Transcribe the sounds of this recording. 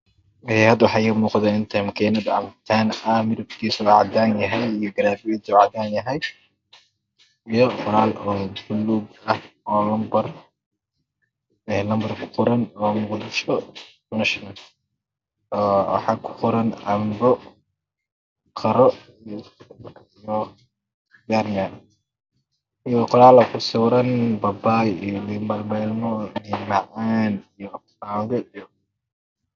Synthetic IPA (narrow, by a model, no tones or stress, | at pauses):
ɛhɐd̪wɑħɑjɛmuːqd̪ɛɪnt̪ʰɐmkʰɛːnɐd̪ɐ̰mt̪ʰaːnɐmɪɾɪb̚k̪ʰiːsuʕɑ̰d̪aːnjɐɦɛjijɔɡɐɾaːbɪwɛt̪ːʕɑd̪aːnjɐɦɛj | ijɔfʊɾaːlʔɔːbʊluːɡɐhɔːlɐmbɐr | ɛlɐmbɐrkʰʊ̥qɔɾɐnɔːmʊqd̪ɪʃɔ | nɐʃnɐl | ɔːwɑ̰ħɑkʰʊ̥qʊɾɐnɐmbɔ | qʰɐɾɔ | kʰijɔ | ɡaːɾnaːn | ijɔqɔlaːlɐkʰʊsʊwɾɐnbɐbaːjijɔlimɐlmɛːlmɔnimaʕaːnijɔ | naːwðɛʔijɔ